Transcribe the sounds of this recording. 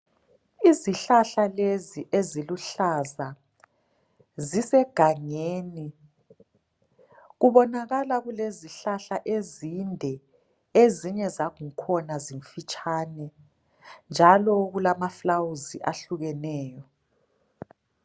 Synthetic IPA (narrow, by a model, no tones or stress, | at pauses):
iziɬaɬaleziʔeziluɬaza | zisɛɡ̥ʱaŋeːni | ɣuβɔnaɣalaɣuleziɬaɬaʔezindʱɛ | eziɲɛzaɣuŋkʰɔnaziɱfit͡ʃʼaːnɛ | nd͡ʒʱalɔɣulamaflawuziʔaɬuɣɛnɛːjɔ